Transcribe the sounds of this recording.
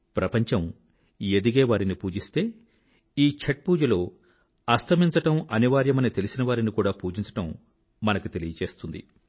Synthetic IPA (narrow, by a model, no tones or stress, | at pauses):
pɾɐpɐɲt͡ʃɐm | ed̪iɡeːʋaːɾinipuːd͡ʒist̪e̞ː | iːt͡ʃʰɐʈ̚puːd͡ʒɐlo̞ː | ɐst̪ʰɐmiɲt͡ʃɐʈɐmɐniʋaːɾjɐmɐnit̪e̞lisinɐʋaːɾinikuːɽaːpuːd͡ʒiɲt͡ʃɐ̥ʈɐmː | ɐnɐkut̪e̞lijɐt͡ʃe̞ːst̪und̪ḭ